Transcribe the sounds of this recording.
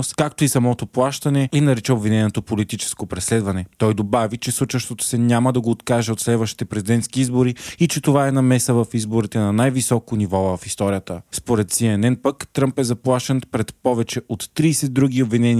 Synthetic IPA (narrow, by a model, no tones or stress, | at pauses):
skakt̪oisɐmɔt̪oplˠaʃt̪ɐnɛinɐɾit͡ʃɛobvinɛnot̪opolit̪it͡ʃɛ̥skopɾɛslɛd̪vɐnɛt̪ɔjd̪obavit͡ʃɛsˠut͡ʃəʃt̪ot̪o̥sɛɲʲaməd̪ɐɡoːt̪kaʒɛot̪slɛd̪vɐʃt̪i̥t̪ɛpɾɛzid̪ɛnt̪skiizboɾiit͡ʃɛt̪ovaɛnɐmɛsəvɐfizboɾit̪ɛnɐnajvisɔkonivɔvɐfist̪ɔɾijət̪əspoɾɛt̪siɛnɛnpəkt̪ɾəmpɛzɐplˠaʃɛnpɾɛt̪pɔvɛt͡ʃɛot̪ːɾiːsɛd̪ːɾuɡ̟iobvinɛn